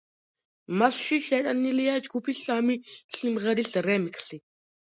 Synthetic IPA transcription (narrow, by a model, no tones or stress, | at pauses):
masʃiʃɛt̪ʼɐnːilijad͡ʒɡupʰiɬaːmiɬimʁɛɾiɬrɛmikɬi